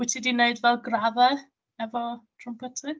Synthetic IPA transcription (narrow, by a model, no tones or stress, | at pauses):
ɪtʰidineɨdvɛlˠɡraðɛ | ɛvɔtʰrʊmpʰɛtʰɪ